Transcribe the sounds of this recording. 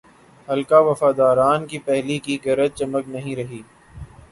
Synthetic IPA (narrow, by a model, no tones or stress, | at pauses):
hɐlkaʋɐfaːd̪aːɾaːnkipɛɦlikiɡɐɾət̪̚t͡ʃɐməknɐɦĩɾɐɦiː